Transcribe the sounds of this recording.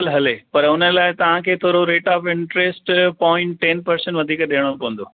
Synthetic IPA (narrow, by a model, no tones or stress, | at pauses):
lɦɐlepɐɾʊnəlaːɪt̪ɐʋ̤ãkʰeːt̪ʰoːɾoɾeːʈaːpɪ̃ɳʈɾeːsʈpɔːɪ̃ɳʈːɛ̃ːnpɐɾsə̃ɳʋɐd̪ʱiːkɗeːəɽ̃opɐʋə̃n̆d̪oː